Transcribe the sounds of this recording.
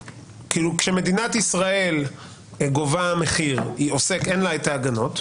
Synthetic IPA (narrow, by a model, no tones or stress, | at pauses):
kilukʃeme̞d̪inat̪isʁae̞l | ɡo̞vaameχiʁiose̞kenlaetaːɡano̞t